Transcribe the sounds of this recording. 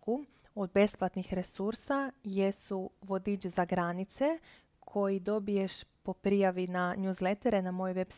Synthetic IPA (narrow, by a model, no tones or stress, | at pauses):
ku | od̪̚be̞splˠat̪nixɾe̞suɾsaje̞suʋo̞d̪id͡ʒzaɡɾanit̪se̞ | kʰo̞jid̪o̞bije̞ʃpo̞pɾijaʋinaɲjuːzle̞t̪eɾenamo̞joʋe̞bs